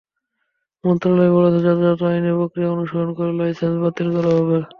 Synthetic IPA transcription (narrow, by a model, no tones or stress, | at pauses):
mɔnt̪ɾalajbolet̪ʰed͡ʑat̪d͡ʑat̪oajnepokɾiaonuʃoɾonkɔɾelajsabat̪ilkɔɾaɦɔβe